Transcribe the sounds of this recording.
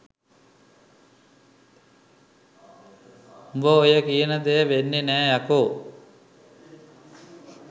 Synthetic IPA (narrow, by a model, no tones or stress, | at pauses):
umbəojəkijənət̪ejəʋenːenæːjakoː